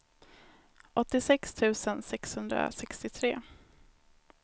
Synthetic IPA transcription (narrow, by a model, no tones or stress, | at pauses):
ʔɔt̪ːɪsɛkst̪ʰʉ̟ːsənsɛkshɵnd̪ɾa̰sɛkst̪ɪt̪ʰɾeː